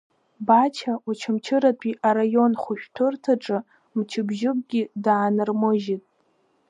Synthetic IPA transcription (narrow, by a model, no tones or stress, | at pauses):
bat͡ʃʰaut͡ʃʰamt͡ʃʰɨɾatʼʰiʔaɾajo̞nχʷʊʃᶣtʰʊrtʰaʈ͡ʂʼɨ | mt͡ʃʰɪbʒɪkʼɡʲidaːnɨrmɨʒitʼ